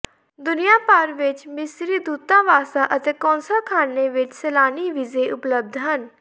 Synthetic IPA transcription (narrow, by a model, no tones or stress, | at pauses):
d̪ʊnijaːpaːɾʋɪt͡ʃmɪsɾiːd̪uːt̪ãːʋaːsaːʔət̪eːkɔ̃ːnsakʰaːneːʋɪt͡ʃsɛːlaːniːʋizeːʔʊpləb̚d̪ʱɦən